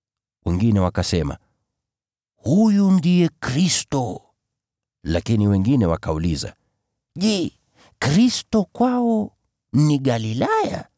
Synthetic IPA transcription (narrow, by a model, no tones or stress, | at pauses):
wʔɛŋɡinɛwakasɛma̰ | hujundijɛkɾistɔ | lakiniwɛŋɡinɛwakauliza̰ | ʄɛ | kɾistɔkwaɔ | niɠalilaja̰